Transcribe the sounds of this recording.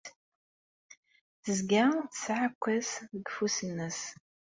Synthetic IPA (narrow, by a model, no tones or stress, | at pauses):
θəzɡaθsʕakʷːəsðəɡfusənːəs